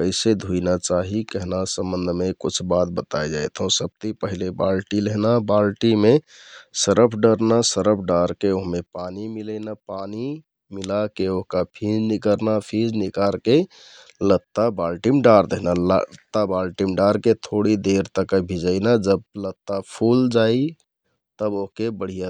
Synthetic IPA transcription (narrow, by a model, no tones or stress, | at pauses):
kəɪsed̪ʱuinat͡ʃaɦikəɦnasəmbənd̪ʱmekut͡ʃʰbat̪̚bət̪ajd͡ʒajt̪ʰəũsəb̚t̪ipəɦilebalʈileɦnabalʈimesəɾəpʰɖəɾnasəɾəpʰɖaɾkeoɦmepanimiləjnapani | milakeoɦkapʰid͡ʒnikəɾnapʰid͡ʒnikaɾke | lət̪ːabalʈimɖaɾd̪eɦnalət̪ːabalʈimɖaɾket̪ʰoɽid̪eɾt̪əkəbʱid͡ʒəɪnad͡ʒəblət̪ːapʰuld͡ʒai | t̪əboɦkebəɽ̤ija